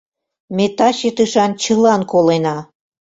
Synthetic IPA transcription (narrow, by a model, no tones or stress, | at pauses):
met̪ɑɕet̪ɨʃɑnt͡ɕəlɑnkolenɑ